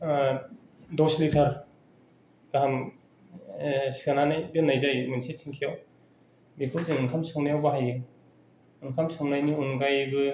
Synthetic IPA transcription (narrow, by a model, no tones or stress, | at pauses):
dɔslitʰaɾ | ɡ̥aɦam | siananajdɯnajzajmɯnsitʰiŋkʰijaw | bekʰɯlzeŋɯŋkʰamsɯŋnajawbaɦajɯ | ɯŋkʰamsɯŋnajniunɡajbɯ